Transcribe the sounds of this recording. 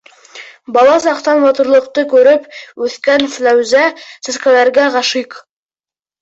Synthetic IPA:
bɑlˠɑsɑqt̪ɑnmɑt̪ŏɾlˠɤ̆q̚t̪ɤkʉɾɘpʉθkænflæwzæsɘ̆skælæɾɡæʁɑʃiq

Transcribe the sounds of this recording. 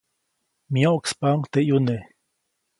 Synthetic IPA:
miaokspaŋt̪eʔjune

